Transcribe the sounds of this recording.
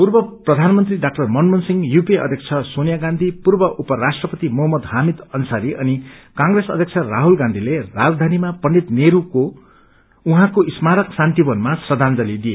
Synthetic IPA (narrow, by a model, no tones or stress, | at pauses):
purbʌprʌd̪ʱanmʌnt̪riɖak̚ʈʌrmʌnmʌnsiŋɡjupeʌ̰d̪ʱjeʌkt͡sʰʌsonjaɡãnd̪ʱipurbʌʔupʌɾasʈrʌpʌt̪imʌɦʌmːʌd̪hamid̪ʌnsaɾiʔʌnikãŋresʌd̪ʱjʌk̚t͡sʰʌraɦulɡãnd̪ʱilerad͡zd̪ʱanimapʌɳɖit̪neɾuko | uɦãkoismaɾʌksant̪ibʌnmasrʌd̪ʱand͡zʌlid̪ije